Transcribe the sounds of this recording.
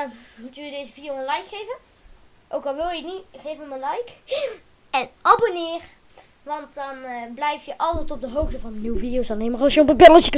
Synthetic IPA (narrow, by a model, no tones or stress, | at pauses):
mutəjədejzəvidijowənlɑjkχejvən | ʔowkɑlˠʋɪlˠjəniχejvənmənlɑjk | ɛnɑbonɪːr | ʋɑntdɑnblɛjftjəʔɑlˠtɛjtɔb̚dəɦowχtəvɑnəniwəvidijowsɑnejmərɑsjəɔpəbɪləsək